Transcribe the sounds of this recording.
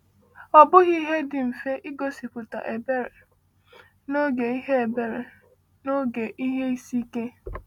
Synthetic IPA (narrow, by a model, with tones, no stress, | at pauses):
ɔ˨bʊ˦ɣi˦ɦe˦dɪ˨m̩˨fe˦ʔi˦ɡo˨si˨pʊ˨ta̰˨ʔe˨be˦ɾe˨ | no˦ɡe˨i˦ɦe˦e˨be˨ɾe˨ | no˦ɡe˨ʔi˦ɦe˦i˦si˦ke˦